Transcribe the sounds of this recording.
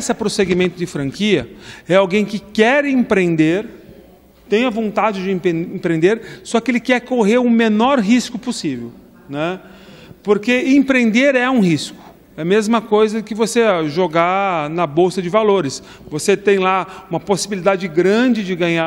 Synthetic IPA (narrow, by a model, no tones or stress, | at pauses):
sɐpɾoseɡimẽnt̪ʊd͡ʒɪfɾɐ̃ŋkiɐɛawɡẽj̃kɪkɛɾẽpɾẽnd̪eɾ | t̪ẽj̃ɐvõnt̪ad͡ʒɪd͡ʒɪẽpẽẽpɾẽnd̪eɾsɔkɪelɪkɛɾkoɦeɾʊmenɔɾɦiskʊposivew | nɛ | poɾkeẽpɾẽnd̪eɾɛũɦiskʊ̥ | ɛmezmɐkojzɐkɪvoseʒoɡanɐbowsɐd͡ʒɪvaloɾɪs | voset̪ẽj̃laũmɐposibilid̪ad͡ʒɪɡɾɐ̃d͡ʒɪd͡ʒɪɡɐ̃ɲa